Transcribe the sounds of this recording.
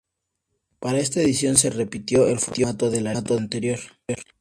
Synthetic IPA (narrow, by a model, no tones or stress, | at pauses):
paɾaest̪aeðisjo̞nse̞re̞pit̪jo̞elfut̪it̪oðe̞lat̪oant̪eɾjoɾɾ